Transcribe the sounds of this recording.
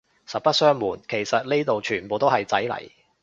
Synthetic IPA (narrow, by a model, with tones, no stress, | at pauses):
sɐ˨t̚pɐ˥t̚sœː˥ŋmuː˨˩nkʰe˨˩jsɐ˨t̚le˥t̪o˨wt͡ʃʰyː˨˩npo˨wt̪o˥whɐ˨jt͡sɐ˨˥jlɐ̰˨˩j